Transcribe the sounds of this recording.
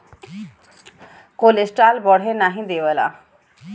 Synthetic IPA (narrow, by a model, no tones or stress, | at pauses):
kolesʈaːlbɔɽ̤enaːɦĩd̪eʋəla̰